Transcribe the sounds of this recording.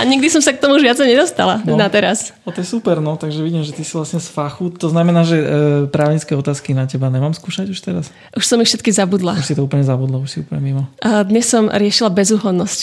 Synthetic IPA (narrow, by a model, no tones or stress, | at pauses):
ʔaɲiɡ̚d̪isɔmsakt̪ɔmuuʒʋat͡sɛɪɲɛd̪ɔst̪a̰lannat̪ɛɾasɔt̪ɔjɛsupɛɾnɔt̪aɡʒɛʋiɟiːmʒɛt̪isivlasɲɛsfaxut̪ɔznamɛnaːʒɛpɾaːʊɲit͡skɛɔt̪aːskinacɛbaɲɛmaːmskuːʃaɟuʃt̪ɛɾas | ʔuʃsɔmifʃɛt̪kizabud̪lauʃsit̪ɔuːplɲɛzabud̪lauʃsiṵplɲɛmimɔd̪ɲɛsːɔmɾɪɛʃilabɛzuːɦɔnːɔsc